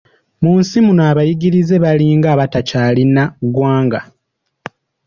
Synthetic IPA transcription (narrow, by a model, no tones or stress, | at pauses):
muːnsimunaːβajiɡiɾize̞βaliːŋɡaːβatacalinaɡwaːŋɡa